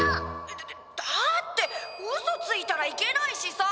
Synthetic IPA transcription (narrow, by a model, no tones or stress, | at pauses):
d̪̥at̪ːe̞ozot͡sɨit̪aɾaike̞naiɕisa